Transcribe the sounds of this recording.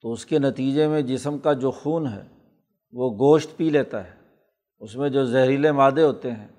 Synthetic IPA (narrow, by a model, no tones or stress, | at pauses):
t̪oʊskenɐt̪iːd͡ʒemẽd͡ʒɪsəmkad͡ʒoːxuːnɦɛ̰ː | ʋoɡoːʃt̪piːleːt̪aɦɛː | ʊsmẽd͡ʒoːzɛɦɾilẽmaːd̪eɦoːt̪eɦɛ̰̃ː